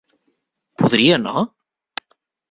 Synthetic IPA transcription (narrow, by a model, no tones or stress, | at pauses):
puðɾianɔ̰